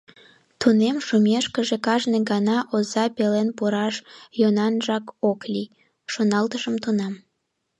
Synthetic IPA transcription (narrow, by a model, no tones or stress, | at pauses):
t̪unemʃumʲeʃkəʒekɑʒneɡɑnɑʔozɑpelenpuɾɑʃjonɑnʒɑkokli | ʃonɑlt̪əʃəmt̪unɑm